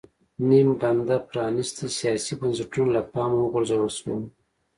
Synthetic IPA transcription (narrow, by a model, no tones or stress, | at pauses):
nimband̪apɾɑnist̪isijɑsibansɪʈunolapɑmawəɡʊɾzawalswum